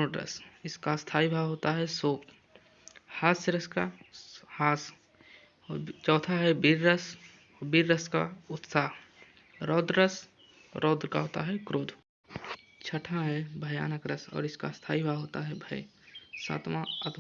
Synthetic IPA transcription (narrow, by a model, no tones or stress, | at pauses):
oʈɾə̰sɪskast̪ʰaːibʱaɦoːt̪aɦɛsoːp | haːsəɾəskahaːs | t͡ʃɔːt̪ʰaɦɛbiɾːəs | biɾːəska̰ʊt̪saːɦ | ɾɔːd̪ɾəs | ɾʔɔːd̪ɾka̰ɦoːt̪a̰ɦɛkɾoːd̪ʱ | t͡ʃʰəʈʰaɦɛbʱəjaːnəkɾəsɔ̰ːɾɪska̰st̪ʰaːibʱaːɦoːt̪aɦɛbʱɐe | sa̰ːt̪mãət̪